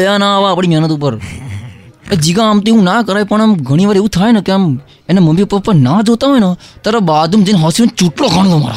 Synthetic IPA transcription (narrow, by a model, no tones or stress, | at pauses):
janaʋaːpɽ̃iːmʱjɛːnət̪up̬əɾ | ed͡ʒiɡãamt̪eũnaːkəɾaːjpəɳ̃amɡʱəɽ̃iʋaːɾeːʋũt̪ʰaːjnakeəm | enaməmbiupːəɾpəɾnaːd͡ʒoːt̪aɦɔjenat̪əɾabaːd̪ũmd͡ʒẽnɦɔsilnt͡ʃuʈlokʰaɽ̃loma̰ːɾa̰